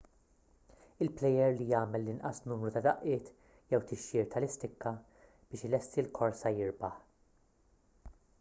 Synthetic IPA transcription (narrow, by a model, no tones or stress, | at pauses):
ɪlplɛjɛɾlijɐːmɛlːɪnʔɐ̰snuːmɾut̪ɐd̪ɐʔɪːt̪ | jɛwt̪ɪʃːɪːɾt̪ʰɐlɪst̪ɪkːɐ | b̥ɪːʃɪlɛst̪ilkʰɔɾsɐjɪɾbɐħ